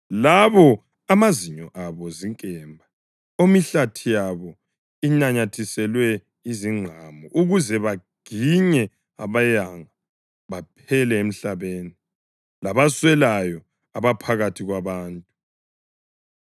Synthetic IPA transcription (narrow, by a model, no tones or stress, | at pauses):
laβɔ | amaziɲɔʔaβɔziŋkʼɛmbʱa | omiɬatʰijaβɔ | iɲaɲatʰisɛlwɛ | iziŋ͡ǁʱamɔʔuɣuzɛβaɡ̥ʱiɲɛ | a̰βajaŋa | βapʰɛlɛem̩ɬaβeːni | laβaswɛlajɔ | aβapʰaɣatʰiɣwaβaːntʼu